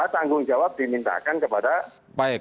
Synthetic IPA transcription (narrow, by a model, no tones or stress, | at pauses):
at̪aŋɡʊŋd͡ʒawap̚d̥imint̪a̰kankəpada | paɛ